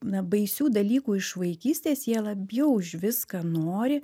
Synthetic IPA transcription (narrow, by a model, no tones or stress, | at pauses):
nɐbɐɪsʲuːd̪ɐlʲiːkuːɪʃʋɐɪkʲiːsʲt̪ʲeːsjiɛlˠɐbʲjɛʊʒʲʋʲɪskɐnoːɾʲɪ